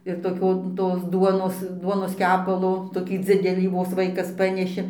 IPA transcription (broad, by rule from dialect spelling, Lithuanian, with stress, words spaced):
ɪr toːˈkʲoː toːs ˈduɔnoːs ˈduɔnoːs ˈkʲæːpɐlˠoː toːˈkʲiː ˈd͡zʲɪdʲɛlʲiː ʋoːs ˈʋɐɪkɐs ˈpɑːnʲɛʃʲɪ